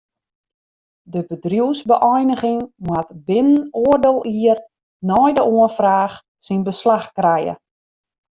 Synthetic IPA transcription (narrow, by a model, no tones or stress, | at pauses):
dəbədrjuwsbəʔɔjnəɣɪŋmwatbɪnənoərdɪːlˠiər | nɔjdəʔoənfraːx | sinbəslaxkrɛjə̰